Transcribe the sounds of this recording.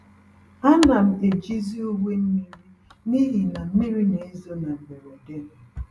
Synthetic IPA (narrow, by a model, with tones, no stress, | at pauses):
a˦na˨m̩˦e˨d͡ʒi˦zi˦u˦ɡʷe˦m̩˦mi˦ɾi˦ | ni˦ɦi˨na˨m̩˦mi˦ɾi˦ne˨i˦zo˦na˨m̩˨be˨ɾɔ˨de˦ne˨